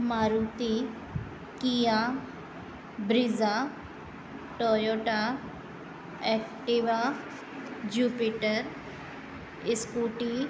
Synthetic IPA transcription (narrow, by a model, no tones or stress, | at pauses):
maɾut̪i | kija | bɾiza | ʈojoʈa | ɛk̚ʈiʋa | d͡ʒuːpiʈəɾ | iskuʈi